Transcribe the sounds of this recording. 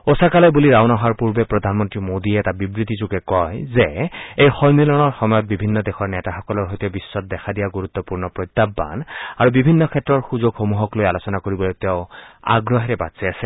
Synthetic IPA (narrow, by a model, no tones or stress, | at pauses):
osakalɔbuliɹawnɔɦaɹpuɹbɛpɹɔd̪ʱanmɔntɹimod̪iɛːtabibɹit̪izuɡɛkɔjzeejxɔjmilɔnɔɹxɔmɔjɔt̪̚bibʱinːɔd̪exɔɹnɛtaxɔkɔlɔɹɦojt̪ɛbisːɔt̚d̪ɛkʰadijaɡuɹut̪ːɔpuɹnɔpɹɔjt̪ːabːa̰naɹubibʱinːɔkʰɛtːɹɔɹxuzoɡxomuɦɔklojalosɔnakoɹibɔlojt̪eʊ̃a̰ɡɹɔɦɛɹɛbatsɛasɛ